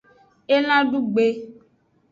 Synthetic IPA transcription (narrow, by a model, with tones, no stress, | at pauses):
e˦lã˦ɖu˦ɡ͡be˨